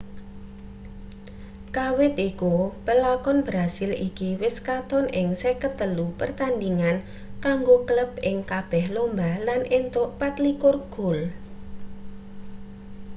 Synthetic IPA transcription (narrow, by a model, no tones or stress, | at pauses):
kawɪt̪ikupəlakɔnbɾasɪlikiwɪskat̪ɔnʔɪŋsɛkət̪əlupərt̪andiŋan | kaŋɡokələp̚ɪ̰ŋkab̥ɛhlombalanʔent̪ʊʔpat̪likʊrɡ̥ʊ̤l